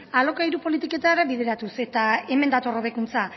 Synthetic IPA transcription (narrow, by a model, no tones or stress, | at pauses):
alo̞kaiɾupo̞lit̪ike̞t̪aɾaβiðe̞ɾat̪use̞t̪ae̞me̞nd̪at̪o̞ro̞β̞e̞kunt͡sa